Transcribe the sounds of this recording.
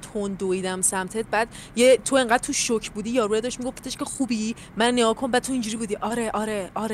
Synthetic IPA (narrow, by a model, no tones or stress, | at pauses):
t̪ʰond̪oid̪æmsæmt̪ʰed̪̚bæd̪̥ | jet̪ʰoe̞ŋɢæd̪̥̚t̪ʰuʃʃocʰbuːd̪ijɒɾued̪ɒʃmiɡofpʰe̥t̪ʰeʃkcʰexubiː | mænːeɡɒːkʰombæd̪̚t̪ʰoiːnd͡ʒuːɾibuːd̪iːʔɒːɾeʔɒɾeɒɾe